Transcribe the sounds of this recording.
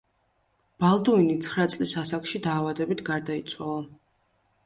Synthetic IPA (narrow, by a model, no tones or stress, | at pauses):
b̥alˠd̪ɔinit̪sʰχɾat̪sʼlisasakʃid̪aːvad̪ɛbit̪ʰɡaɾd̪ait̪sʰwalˠa